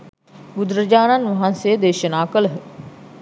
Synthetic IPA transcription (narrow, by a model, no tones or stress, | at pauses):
bud̪ɾəd͡ʒaːnanʋɐɦansejəd̪eːʃənaːkələɦə